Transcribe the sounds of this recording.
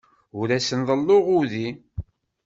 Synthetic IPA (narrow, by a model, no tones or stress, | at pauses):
ʊɾæsənðˤəlːoʁʊði